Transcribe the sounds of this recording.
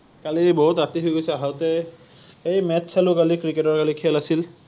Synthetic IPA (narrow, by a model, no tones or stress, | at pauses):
kaliboɦutɹatiɦojɡojsɛaɦaʊtɛ | ejmɛtsalʊkalikɹiketɔɹkalikʰɛlasil